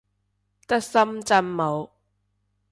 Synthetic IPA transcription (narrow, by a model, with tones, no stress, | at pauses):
t̪ɐ˥k̚sɐ˥mt͡sɐ˥nːo˨˧w